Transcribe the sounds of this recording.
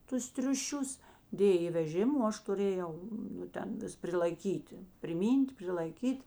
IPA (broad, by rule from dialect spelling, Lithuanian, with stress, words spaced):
ˈtʊs tʲrʲʊˈʃʲʊs ˈdʲeːj ɪ ʋʲɛˈʒʲɪm oː ˈɐʃ tʊˈrʲeːˌjɛʊ nʊ ˈtʲɛn ˈʋʲɪs pʲrʲɪlˠɐɪˈkʲiːtʲɪ pʲrʲɪˈmʲiːnʲtʲ pʲrʲɪlˠɐɪˈkʲiːtʲ